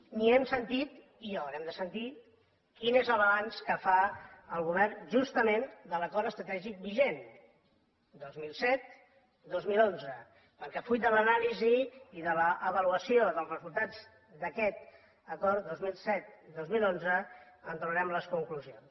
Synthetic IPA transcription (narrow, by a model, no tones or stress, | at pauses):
niɛmsənt̪it̪ | iawɾɛmd̪əsənt̪i | kinezələβanskəfaəlˠɣuβɛrnʒust̪əmend̪ələkɔɾəst̪ɾət̪ɛʒik̚biʒen | d̪ozmilˠsɛt̪̚ | d̪ozmilˠonzə | pəɾkɛfuj̪d̪ələnaliziːðələʔəβəluəsioðəlˠzrəzulˠt̪ad͡z | d̪əkɛt̪ | əkɔɾt̪d̪ozmilˠsɛt̪̚d̪ozmilˠonzəənt̪uəɾɛmləskuŋkluzions